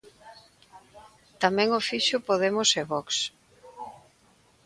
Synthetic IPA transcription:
t̪amɛ̃ŋofiʃʊpoð̞emʊseβɔks

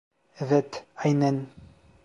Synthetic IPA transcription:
vɛt̪ajnɛn

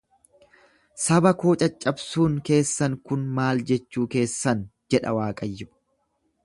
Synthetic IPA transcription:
sɐbɐkoːt͡ʃʼɐt͡ʃʼːɐbsuːŋke̞ːsːɐŋkʊnmaːld͡ʒɛt͡ʃːuːke̞ːsːɐnd͡ʒɛᶑɐ̰waːkʼɐjːʊ

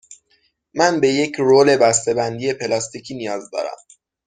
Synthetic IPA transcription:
mænbe̞je̞cʰɾoːle̞bæst̪e̞bænd̪ije̞pʰe̞lɒst̪icʰiːnijɒːzd̪ɒ̰ːɾæ̰m

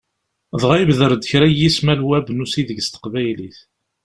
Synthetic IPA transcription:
ðˤʁæjəbðəɾd̪əçɾæjismælwæbənusiðəʝst̪ə̥qvæjliθ

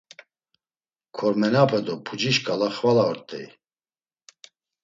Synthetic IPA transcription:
kʰɔɾmɛnapʰɛd̪ɔpʰud͡ʒiʃkʼalaχvalaɔɾt̪ʼɛ̰j̰

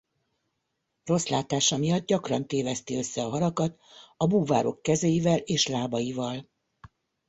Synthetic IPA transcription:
ro̞slaːt̪aːʃɒmijɒd̪̚ɟɒkrɒnt̪eːvɛst̪eøsːɛɒɦɒɾɒkɒt̪ɒbuːva̰ːɾo̞kːɛzejivɛleːʃlaːbɒjivɒl

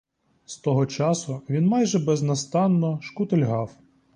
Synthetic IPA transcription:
st̪ɔɦɔt͡ʃɑsʊʋʲinmɑjʒɛbɛznɐst̪ɑnːɔʃkʊt̪elʲɦɑw

